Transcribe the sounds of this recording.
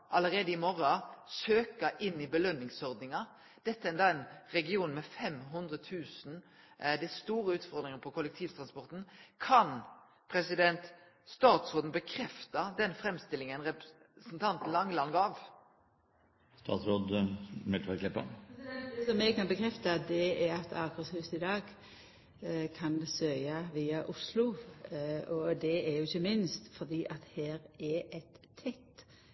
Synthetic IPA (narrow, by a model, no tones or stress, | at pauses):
ʔɑləɾeːd̪əɪmɔɾɑsøːkəʔɪnːɪbəlœnːɪŋsɔʁd̪nɪŋɑ | d̪̥ɛt̪ːəæɪnɑːɛɪnʁɛɡɪuːnmɛfɛmɦʉnd̪ɾət̪ʰʉːsn̩ | d̪ɛst̪uːʁəʉːt̪fɔɾd̪ɾɪŋəpʰɔkʰʊlɛkt̪ʰiːʋt̪ʰʁɑnspɔɾt̪n̩kʰɑn | pʰɾɛsɪd̪ɛnt̪ | st̪ɑːt̪sɾoːd̪n̩bəkʰɾɛft̪ɑd̪ɛnfɾɛmst̪ɪlɪŋənʁɛp | snt̪ʰɑnt̪n̩lɑŋlɑnɡɑːʋ | st̪ɑ̰ːt̪sɾoːd̪mɛfɑɾkʰlɪpːə̰ | ɛsɔmːɛɡkɑnbəkʰɾɛft̪ɑd̪ɛɛɾɑt̪ʰɑːkʰəshʉːsɪd̪ɑːɡ | kʰɑnsœʏɑʋiːɑʔʊslʊ | ɔd̪ɛɛɾjʊɪçːəmɪnst̪fɔd̪iːʔɑt̪heːɾɛɛt̪ʰːɛt̪ː